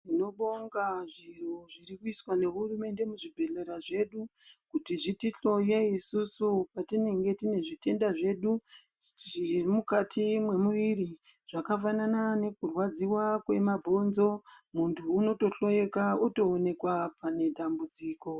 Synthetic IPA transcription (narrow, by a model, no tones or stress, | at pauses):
ino̞ɓoŋɡaʐiroʐirikuiswane̞ɦurume̞nde̞muʐibʱe̞ɮe̞ɾaʐe̞ɗukutiʐitiɬo̞jeisusupatine̞ŋɡe̞tine̞ʐite̞ndaʐe̞ɗu | ʐiimukatʰimwe̞muʋiri | ʐ̥akafananane̞kurwad͡ziwakwe̞mabʱo̞nzo̞muntʰuːno̞to̞ɬo̞je̞kauto̞ːne̞kwapane̞ɗambud͡ziːko̞